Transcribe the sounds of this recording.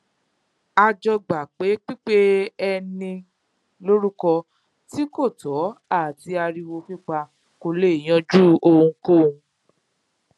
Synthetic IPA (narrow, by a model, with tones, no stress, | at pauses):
a˧d͡ʒɔ˧ɡ͡ba˨k͡pe˨˦k͡pi˦k͡pe˦ɛ˧nĩ˧ | lo˦ɾu˦kɔ˧ | ti˨˦ko˦˨tɔ˨˦a˦˨ti˧a˧ɾi˧wo˧fi˦˨k͡pa˧ | ko˧le˦˨i˨j̃ã˧d͡ʒu˦o˧ũ˧kõ˦˨˧